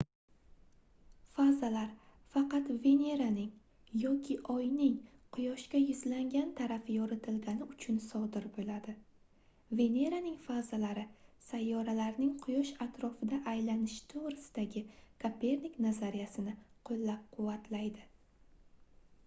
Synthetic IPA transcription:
fazalaɾ | fɑqɑt̪ve̞ne̞ɾanɪŋ | jɒkʲʰɪʔɒjnɪŋqʰʊjɒʃkʲajʊzlaŋɡʲant̪ʰaɾafɪjɒɾɪt̪ʰɪlɡʲanɪʊt͡ʃʰʊnsɒd̪ɪɾbolad̪ɪ | ve̞ne̞ɾanɪŋfazalaɾɪsajːɒɾalaɾnɪŋqʰʊjɒʃat̪ɾɒfɪd̪aʔajlanɪʃt̪ʰoʁɾɪsɪd̪aɡʲɪkʰapʰe̞ɾnikʲnazaɾɪjasɪnɪqʰolːap̚qʰʊwːat̪ʰlajd̪ɪ

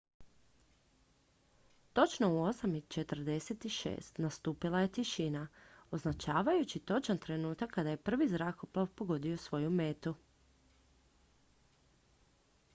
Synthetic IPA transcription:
t̪o̞t͡ʃno̞uo̞samit͡ʃe̞t̪ər̩d̪e̞se̞t̪iʃḛːst̪nast̪uːpilˠaje̞t̪iʃinao̞znat͡ʃaːʋajut͡ɕit̪o̞t͡ʃant̪ɾe̞nuːt̪akʰːad̪aje̞pr̩ʋizɾakoplˠaʋpo̞ɡo̞d̪io̞sʋo̞jume̞t̪u

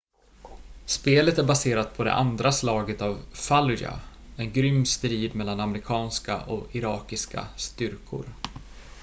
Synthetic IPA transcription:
speːlət̪æɾbaseːɾat̪̚pʰɔd̪ɛ̰ʔand̪ɾaslɑːɡət̪avfalʏja̰ | ɛnɡɾʏmːst̪ɾiːd̪mɛlːanamɾɪkʰɑːnska̰ʔɔɪɾɑːkɪska̰st̪ʏɾkʰʊ̰ɾ

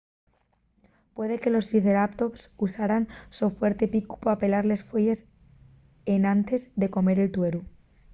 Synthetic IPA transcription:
pwe̞ðe̞ke̞lo̞siθeɾapt̪o̞psusaɾansofwe̞ɾt̪e̞piku̥poape̞laɾle̞sfweʝe̞s | enãnt̪e̞zðe̞ko̞me̞ɾe̞lt̪we̞ɾu

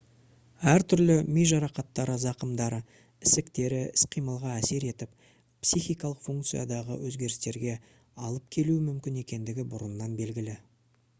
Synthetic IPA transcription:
æɾt̪ʰʏɾlɪmejʒɑɾɑqɑt̪ːɑɾəzɑqəmd̪ɑɾə | ɪsɪkt̪e̞ɾɪɪsqʰijməlˠʁɑæse̞ɾe̞t̪ɪp̚ | psijxijkɑlˠəqfuŋkt̪sɨjad̪ɑʁə̰wɵzɡʲe̞ɾɪst̪e̞ɾɡʲe̞ | ɑlˠəp̚kʲʰe̞luɪmʏmkʲɪne̞kʲe̞nd̪ɪɡʲɪbʊɾənːɑnbe̞lɡʲɪlɪ

